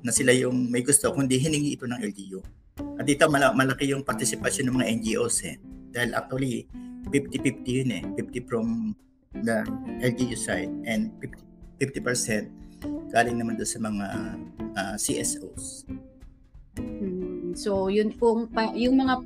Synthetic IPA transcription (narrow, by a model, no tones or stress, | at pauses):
nɐsɪlajʊŋmɐjɡʊst̪o̞kʊnd̪iɦɪnɪŋiʔɪt̪o̞nɐŋʔɛld͡ʒiju | ʔɐt̪d̪iːt̪omɐmɐlɐkɪjʊŋpɐɾt̪ɪsɪpɐsjnːɐŋmɐŋaʔɛnd͡ʒiʔoshɛ̰d̪̥aːhɪlʔa̰k̚t̪uwɐlipift̪ifift̪ijʊnɛfift̪ifɹom | d̪ɐʔɛld͡ʒijusajd̪̚ʔɛnd̪̚fift̪i̥fɪft̪ipɛɹsɛnt̪̚ɡ̥aːlɪŋnɐmand̪onsɐmɐŋaʔɐsiʔɛsʔos | m̩sojʊnpoŋpɐjʊŋmɐŋa